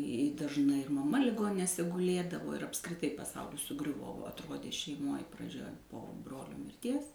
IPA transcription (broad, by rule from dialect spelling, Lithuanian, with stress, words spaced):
ɪ dɐʒˈnɐɪ ɪr mɐˈmɐ lʲɪˈɡoːnʲɪnʲeːsʲɛ ɡʊˈlʲeːdɐʋoː ɪr ɐpskrʲɪˈtɐɪ pɐˈsɐʊlʲɪs sʊˈɡrʲʊʋoː ʋɐ ɐtˈroːdʲeː ʃʲɛɪˈmoːj prɐˈd͡ʒʲɛ poː ˈbroːlʲoː mʲɪrʲˈtʲiɛs